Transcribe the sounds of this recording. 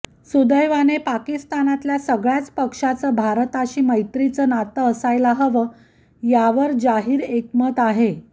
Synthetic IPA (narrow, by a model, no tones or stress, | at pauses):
sud̪əjʋanepakist̪anat̪ljasəɡɭjat͡spəkʂat͡səːbʱaɾət̪aɕiːməjt̪ɾit͡səːnat̪əːsajlaɦəʋə | jaʋəɾd͡zaɦiːɾekmət̪aɦe